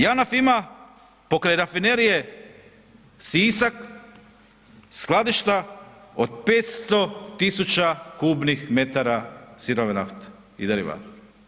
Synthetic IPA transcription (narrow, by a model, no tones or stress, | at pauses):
janafima | po̞kɾejɾafineɾije | siːsak | sklˠad̪iʃt̪aod̪̚peːt̪st̪o̞t̪isut͡ʃakuːbnixme̞t̪aɾasiɾoʋenaft̪ | id̪aɾḭʋa̰ɾ